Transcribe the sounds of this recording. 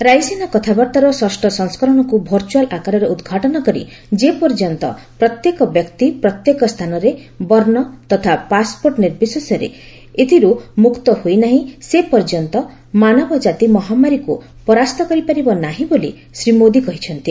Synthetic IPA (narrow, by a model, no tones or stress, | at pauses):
ɾajsenakɔt̪ʰabɔɾt̪aɾɔsɔsʈɔsɔŋskɔɾɔɽ̃ɔkubʱɔɾt͡ʃualʔakaɾɔɾeud̪ɡʱaʈɔnɔkɔɾḭ | d͡ʒepɔɾd͡ʒɔnt̪ɔ̰pɾɔt̪jekɔbjɔkt̪ipɾɔt̪jekɔst̪ʰanɔɾebɔɾnɔt̪ɔt̪ʰapaspoɾʈniɾbisɔsɔɾḛ | et̪ʰiɾumukt̪ɔhojnaɦĩsepɔɾd͡ʒɔnt̪ɔ | manɔbɔd͡ʒat̪imɔɦamaɾiku | pɔɾast̪ɔkɔɾipaɾibɔnaɦĩbolḭ | sɾimod̪ikɔɦit͡ʃʰɔnt̪i